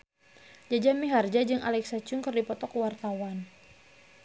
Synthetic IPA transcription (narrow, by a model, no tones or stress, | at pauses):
d͡ʒad͡ʒamiɦard͡ʒad͡ʒɨŋa̰lɛksat͡ʃʊŋkɨrdipɔt̪ɔkwart̪awan